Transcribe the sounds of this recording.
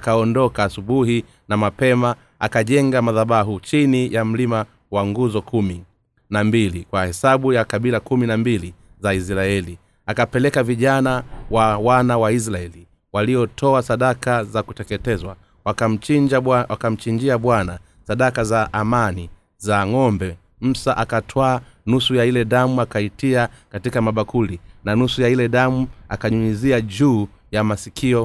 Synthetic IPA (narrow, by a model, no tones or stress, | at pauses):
akaɔndɔkaːsuɓuɦi | namapɛma | akaʄɛŋɡamaðaɓaɦut͡ʃinijam̩lima | waŋɡuzɔkumi | nambilikwahɛsaɓujakaɓilakuminambili | zaisɾaɛli | akapɛlɛkaviʄanawawanawais̬ɾaɛli | waliɔtʰɔasaɗakazakutɛkɛtɛzwa | wam̩id͡ʒwakam̩t͡ʃiɲd͡ʒiaɓwana | saɗakazaʔːmani | zaŋɔmbɛ | m̩saʔakatʰwaːnusujailɛɗamuakaitiakatikamaɓakulinanusujailɛðamua̰kaɲuiziaʄuː | jamasikʰiɔ